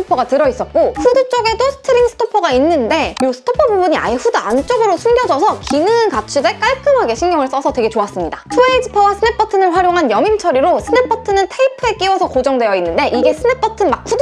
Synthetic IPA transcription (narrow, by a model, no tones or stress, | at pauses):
opʰʌɡatɯɾʌis͈ʌt̚k͈oɸudɯt͡ɕ͈oɡe̞dosʰɯ̥tʰɯɾiŋsʰɯ̥tʰopʰʌɡainːɯnde̞josʰɯ̥tʰopʰʌbubuɲia̰iɸudɯant͡ɕ͈oɡɯɾosʰuŋɡjʌd͡ʑʌsʰʌkinɯŋkat͡ɕʰude̞k͈aɭk͈ɯmɦaɡe̞ɕʰiŋɲjʌŋɯɭs͈ʌsʰʌtwe̞ɡe̞t͡ɕoas͈ɯmɲidasʰueid͡ʑɯpʰʌwasʰɯne̞p͈ʌtʰɯnɯɭɸwaɾjoŋɦanjʌmint͡ɕʰʌɾiɾosʰɯne̞p͈ʰʌtʰɯnɯntʰeipʰɯe̞k͈iwʌsʰʌkod͡ʑʌŋdwe̞jʌinːɯnde̞ʔiɡe̞sʰɯne̞p͈ʌtʰɯmak̚ɸud